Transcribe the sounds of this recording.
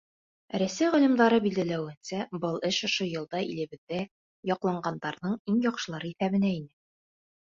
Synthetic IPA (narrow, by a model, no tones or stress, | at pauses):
ɾæsæjʁæ̆lɘ̆md̪ɑɾɤbild̪ælæwɘ̆nsæbɤlˠɘʃŏʃojɤ̆lˠd̪ɑʔilɘ̆βɘ̆ðːæ | jɒqlˠɑɴɢɑnd̪ɑɾðɤɴiŋjɒqʃɤ̆lˠɑɾɤiθæβɘ̆næinɘ